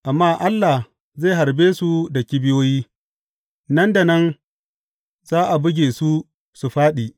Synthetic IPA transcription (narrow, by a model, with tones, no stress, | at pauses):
ʔa˨mːaː˦ʔa˦lːa˨h | zeː˦˨ɦa˨ɾbeː˦su˦dɐ˨kʲi˦bɪ˦joː˦jiː˦ | nɐ˦nda˨nɐ˦n | zaː˦ʔa˨bʊ˦ɡʲeː˨su˦ | su˨ɸaː˦ɗiː˨